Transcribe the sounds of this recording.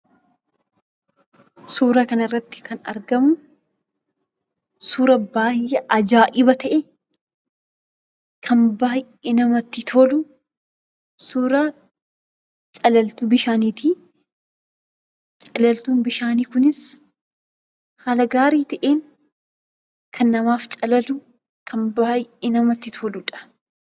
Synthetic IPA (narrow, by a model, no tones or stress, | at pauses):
suːɾaːkɐnɐrːɐt̪ːɪ̥kɐnɐ̰ɾɡɐmʊ | suːɾɐbaːjʔːɛʔɐd͡ʒaːʔɪbɐt̪ɐʔɛ | kʰɐnbaːj | enɐmɐt̪ːɪt̪ʰoːlʊ | suːɾaː | t͡ʃʼɐlɐlt̪ubɪʃaːniːt̪ɪ | t͡ʃʼɐlɐlt̪uːnbɪʃaːniːkʊnɪs | haːlɐɡaːɾiːt̪ɐʔeːn | kʰɐnːɐmaːft͡ʃʼɐlɐlʊ | kʰɐnbaːjɪnɐmɐt̪ːɪt̪ʰoːlʊᶑɐ̥